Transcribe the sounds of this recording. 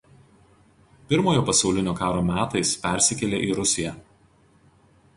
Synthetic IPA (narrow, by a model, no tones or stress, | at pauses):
pʲɪɾmoːjoːpɐsɐʊlʲɪnʲoːkɑːɾoːmʲæːt̪ɐɪspʲɛˑɾʲsʲɪkʲɛlʲeːʔiːɾʊsʲɪjɛ